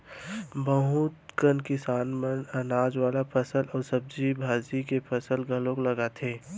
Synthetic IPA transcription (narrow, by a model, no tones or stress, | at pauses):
bəɦuːt̪kənkɪsaːnmənɐnaːd͡ʒwaːlapʰɐsəlɔːɾsɐb̚d͡ʒibʱaːzikepʰɐsəlɡʱɐlõklɐɡat̪ʰeː